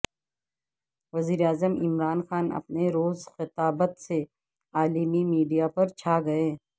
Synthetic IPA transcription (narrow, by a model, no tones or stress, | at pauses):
ʋɐziːɾeaːzəmɪ̰mɾaːnxaːnɐ̰pneɾoːzxɪt̪aːbət̪se | aːlimimiːɖijapɐɾt͡ʃʰaːɡɐeː